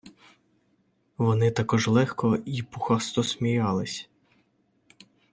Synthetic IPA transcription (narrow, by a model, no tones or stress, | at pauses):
ʋɔnɪt̪ɐkɔʒlˠɛxkɔipuxɑst̪ɔsmʲijɑlˠɪsʲ